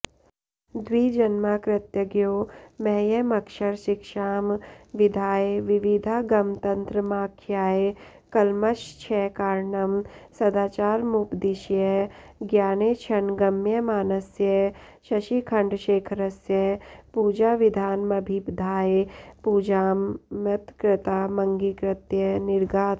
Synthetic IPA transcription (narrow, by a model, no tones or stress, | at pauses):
d̪wiːd͡ʒɐnmakɾɪt̪jəɡjoːmɛɦjɐmɐkʃɐɾʃɪkʃaːmʋɪd̪ʱaːeʋɪʋid̪ʱaːɡɐmt̪ɐ̃nt̪ɾəmaːkʰjaːe | kɐlmɐʃt͡ʃʰɛːkaːɾɳɐmsɐd̪aːt͡ʃaːɾmupd̪iʃjɐɡjaːneːt͡ʃʰɐnɡɐmːjəmaːnɐsjɐʃɐʃikʰɐɳɖʃeːkʰɾɐsjəpuːd͡ʒaːʋɪd̪ʱaːnmɐbʱipd̪ʱaːepuːd͡ʒaːmjɐt̪kɾɪt̪aːmɐ̃ŋɡikɾɪt̪jɐnɪɾɡaːt̪